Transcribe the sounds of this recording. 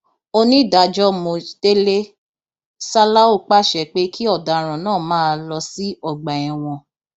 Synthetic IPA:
o˧nĩ˦˨da˨d͡ʒɔ˦mõ˧˨te˦le˦ | sa˦la˦o˦˨k͡pa˦˨ʃɛ˨k͡pe˦kʰi˦ɔ˦˨da˨ɾ̃ã˨nãː˦˨mãː˦˧lɔ˧si˦ɔ˦˨ɡ͡ba˨ɛ̃˨w̃ɔ̃˧

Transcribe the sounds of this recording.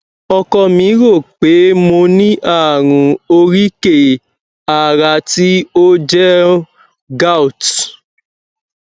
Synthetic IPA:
ɔ˧kɔ˧mĩ˧˦ɾo˦˨k͡pe˨˦mo˧nĩ˦ʔa˦˨ɾ̃ũ˧o˧ɾi˦ke˦˨ | a˨ɾa˧ti˦o˦d͡ʒɛ˦ | ɡa˦u˨t

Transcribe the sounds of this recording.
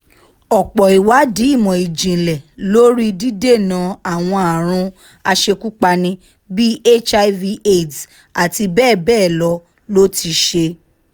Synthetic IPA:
ɔ˨k͡pɔ˨i˨wa˨˦di˨˦i˦˨mɔ̃˨i˨d͡ʒĩ˨lɛ˨lo˦ɾi˦di˦de˦˨nã˨˦a˦˨w̃ɔ̃˧a˨ɾ̃ũ˧ | a˧ʃe˧ku˦k͡pa˧nĩ˧ | bi˦e˦t͡ʃa˧vi˧ʔe˦˨d | a˨ti˧bɛː˦˨bɛː˦˨lɔ˧˦ | lo˦ti˧ʃe˧

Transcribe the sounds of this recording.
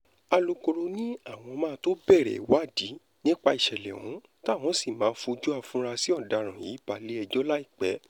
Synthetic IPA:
a˧lo˧ko˧ɾo˧nĩ˦a˦˨w̃ɔ̃˧mãː˦˧˦to˦bɛ˦˨ɾɛ̰˨˦wa˦˨di˨˦ | nĩ˦k͡pa˧i˨ʃɛ˨lɛ̰˨ṵ̃˨˦ | ta˦˨w̃ɔ̃˨˦si˦˨mãː˨˦fũ˧d͡ʒu˦a˧fũ˦ɾa˧si˦ɔ˦˨da˨ɾ̃ã˨jḭ˨˦b̥a˧le˦ɛ˧d͡ʒɔ˦la˦i˦˨k͡pɛ˨˦

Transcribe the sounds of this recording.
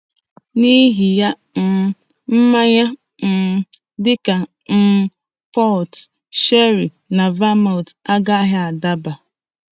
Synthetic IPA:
ni˦ɦi˨ja˦ | n̩˨ | m̩˦ma˦ɲa˦ | n̩˨ | dɪ˦ka˨ | n̩˦ | pɔ˦lt | ʃe˦ɾi˨ | na˨va˦ma˨ta˦ɡa˦ɦa˦a˨da˦ba˨

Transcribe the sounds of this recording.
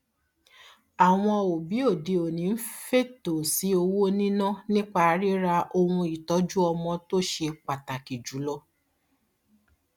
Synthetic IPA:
a˨w̃ɔ̃˧o˨bi˨˦o˦˨de˧o˨nĩ˨˦n̩˦fe˦to˨si˨˦o˧wo˦nĩ˦nã˦nĩ˦k͡pa˧˨˦ɾi˦ɾa˧ʔo˧wũ˧i˨tɔ˨˦d͡ʒu˦ɔ˧mɔ̃˧to˦ʃe˧k͡pa˨ta˨ki˨d͡ʒu˨˦lɔ˧

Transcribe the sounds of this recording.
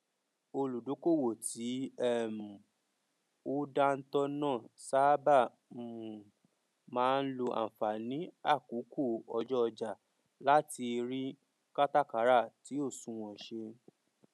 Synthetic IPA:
o˧lu˨do˨˦ko˦˨wo˨tʰi˨˦ɛ˦˨m̩˨ | o˦da˦n̩˦tɔ˦nãː˦˨sa˦bã˦˨ | mãː˨˦˧n̩˦lo˧ʔa̰˨fa˨nĩ˨˦a˦˨ku˨˦ku˦˨ɔ˧d͡ʒɔ˦ɔ˧d͡ʒa˨ | la˨˦ti˧ɾi˦ | ka˦ta˦˨ka˨˦ɾa˦˨ti˨˦o˦˨sũ˨w̃ɔ̃˨ʃe˧

